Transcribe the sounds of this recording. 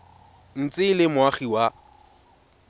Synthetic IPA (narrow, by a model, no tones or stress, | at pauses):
n̩t͡sʼɪlɪmʊaχiwa